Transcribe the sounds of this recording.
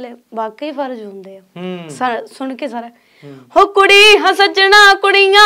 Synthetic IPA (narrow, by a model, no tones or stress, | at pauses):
lːbaːkiːpʰəɾd͡ʒɦʊ̃nd̪eːaːsasʊɳkeːsaːɾɛː | hoːkʊɽiːɦə̃sət͡ʃənãːkʊɽijãː